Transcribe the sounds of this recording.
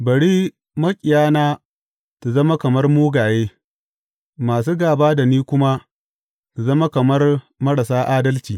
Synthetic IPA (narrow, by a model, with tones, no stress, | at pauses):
bɐ˨ɽiː˦ | mɐ˦kʲʼɪ˨jaː˦naː˦ | tu˨zɐ˦ma˦kɐ˨mɐ˦rmuː˦ɡaː˨jeː˦ | maː˨s̬uː˦ɡaː˨baː˦da˨niː˦kʷʊ˦ma˦ | tu˨zɐ˦ma˦kɐ˨mɐ˦r | mɐ˦ɽa˨saː˦ʔaː˦dɐ˦lt͡ʃiː˨